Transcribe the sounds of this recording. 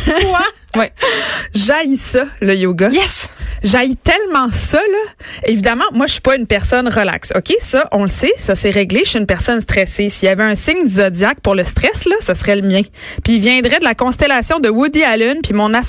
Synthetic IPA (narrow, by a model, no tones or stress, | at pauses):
wɛ | ʒajsʌləjoɡajɛsʒajit̪ɛlmɑ̃sʌlʌevid̪amɑ̃mwaʃi̥pʌynpɛʁsɔnʁəla̰kso̰kʲesʌʔɔ̃ləsesasɛʁɛɡleʃeynpɛʁsɔnst̪χɛsesijavɛœ̃sɪŋd̪yzɔd͡z̪jak̚pʊʁləst̪ʁɛslʌsasʁɛləmjɛ̃ | piːvjɛ̃d̪ʁɛd̪əlakɔ̃st̪elasjɔ̃d̪əwud̪ialynpimɔ̃na